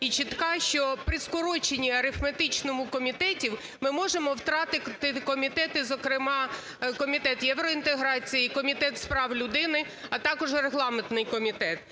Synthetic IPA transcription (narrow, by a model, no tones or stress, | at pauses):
it͡ʃit̪kɑʃt͡ʃɔpɾʲiskʊɾɔt͡ʃenʲiɐɾɪfmet̪ɪt͡ʃnɔmʊkɔmʲit̪ɛtʲiw | mɪmɔʒemɔwt̪ɾɑt̪ɪt̪ɪkɔmʲit̪ɛt̪ɪzɔkɾɪmɑ | kɔmʲit̪ɛt̪jɛwɾɔint̪eɦɾɑt͡sʲijikɔmʲit̪ɛt̪spɾɑwlʲʊd̪ɪnɪ | ɐt̪ɑkɔʒreɦlˠɑment̪nɪjkɔmʲit̪ɛt̪